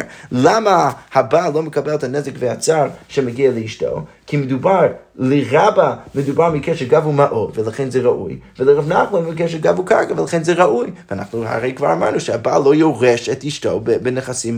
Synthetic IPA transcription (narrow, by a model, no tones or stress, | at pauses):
lamahabalˠoməkabɛlˠɛthanɛzɪkvehat͡saɾʃɛmaɡialˠəiʃto̰ | kʰimɪdubaɾ | lɪʁabamɪdubaɾmikʰɛʃəɡavumaʔodvəlˠaχenzɛʁaʔṵjvələʁabnaχmonmikɛʃɛɾɡavuka̰ɾkavəlaχenzɛʁaʔujvəana̰χnuha̰ʁejkv̥a̰ɾama̰ɾnuʃɛhaba̰lˠojoʁɛʃɛtiʃtobbɪnəχasim